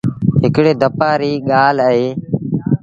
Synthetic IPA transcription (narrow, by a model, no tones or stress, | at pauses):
ɦɪkɽeːd̪əpaːɾiːɠaːləɦeː